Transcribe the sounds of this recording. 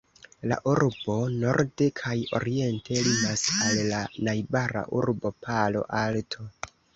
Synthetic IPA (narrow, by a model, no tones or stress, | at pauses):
la̰ʔuɾbo̞no̞ɾdekʰajo̞̰ɾie̞ntʰe̞limasalːanajbaɾa̰ʔuɾbo̞pʰalo̞̰ʔaltʰo̞